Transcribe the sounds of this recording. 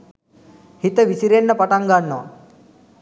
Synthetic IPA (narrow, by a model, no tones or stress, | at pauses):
hit̪əʋisiɾenːəpaʈaŋɡanːoʋa̰